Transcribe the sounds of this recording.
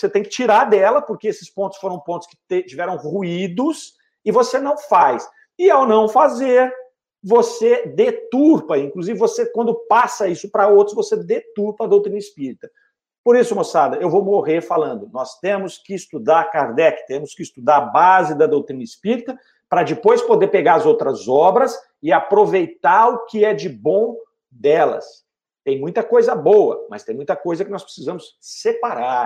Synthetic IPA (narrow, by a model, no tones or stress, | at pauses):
oset̪ẽj̃kɪt͡ʃiɾaɾd̪ɛlɐpʊɾkeesɪ̥spõnt̪ʊ̥sfoɾɐ̃w̃põt̪ʊ̥skɪ̥t̪et͡ʃivɛɾɐ̃w̃ʁuid̪ʊs | ɪvosenɐ̃w̃fajs | ɪawnɐ̃w̃fazeɾ | vosed̪et̪uɾpɐĩŋkluzivɪvosekwɐ̃nd̪ʊpasɐisʊpɾɐowt̪ɾʊsvosed̪et̪uɾpɐːd̪owt̪ɾĩnɐispiɾit̪ɐ | poɾisʊmosad̪ɐewvowmoʁeɾfalɐ̃nd̪ʊnɔst̪ẽmʊskɪːst̪ud̪aɾkaɾd̪ɛkɪ̥t̪ẽmʊskɪst̪ud̪aɾabazɪd̪ɐd̪owt̪ɾĩnɐispiɾit̪ɐ | pɾɐd͡ʒɪpojspod̪eɾpeɡaɾɐzowt̪ɾɐzɔbɾɐs | ɪapɾovejt̪aɾʊkɪɛd͡ʒɪbõw̃ | d̪ɛlɐ̰s | t̪ẽj̃mũj̃t̪ɐkojzɐbowɐ̰mɐst̪ẽj̃mũj̃t̪ɐkojzɐkɪnɔspɾesizɐ̃mʊssepaɾa